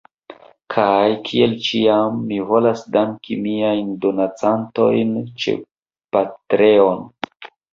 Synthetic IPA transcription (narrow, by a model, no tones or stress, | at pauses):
kʰajkʰie̞lt͡ʃiamːivo̞lasdaŋkimiajndo̞nat͡santo̞̰jnt͡ʃe̞̰ | patɾe̞o̞n